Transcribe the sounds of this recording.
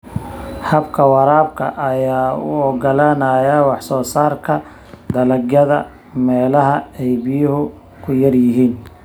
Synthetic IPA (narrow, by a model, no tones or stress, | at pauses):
hɐbkʰɐwɑɾaːb̚kʰɐ̰ʔɐjaːʊ̰ɔɡɐlanɐjawɑħsɔːsaːrkʰɐ | d̪ɐlɐɡjɐðɐ̰ | mɛːlɐɦɐɛjbɪjʊɦʊ | kʰʊjɐrjɪɦiːn